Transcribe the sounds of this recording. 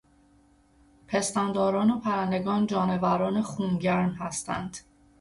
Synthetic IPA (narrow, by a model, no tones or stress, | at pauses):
pʰe̞st̪ænd̪ɒːɾɒːnopʰæɾænd̪e̞ɡɒːnd͡ʒɒːne̞væɾɒːnexuːnɟæɾmɦæst̪æ̰nd̪̥